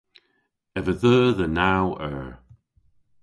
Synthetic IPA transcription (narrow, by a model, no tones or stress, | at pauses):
ɛvəðəːðənawəɹ